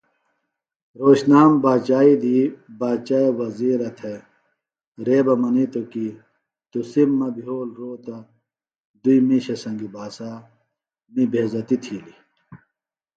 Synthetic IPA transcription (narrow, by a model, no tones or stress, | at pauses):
ɾoːɕnaːmbaːt͡ɕaːid̪ibaːt͡ɕaːewɐziːɾɐt̪ʰe | ɾeːbɐmɐnit̪oki | t̪usimːɐbiɦoːlɾoːt̪ɐ | d̪uimiɕɐsɐ̃ŋɡibaːsaː | mibʱeːzɐt̪it̪ʰiːli